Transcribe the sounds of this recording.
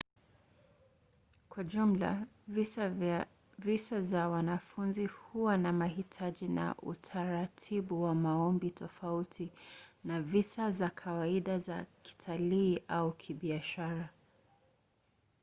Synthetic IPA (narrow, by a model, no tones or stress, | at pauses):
kwaʄum̩la̰ | visazawanafunzihuwanamahitʰaʄina̰ʔṵtʰaɾatʰiɓuwamaɔmbitʰɔfautʰinavisazakʰawaiɗazaki̥tʰaliːʔaukʰiɓiaʃaɾa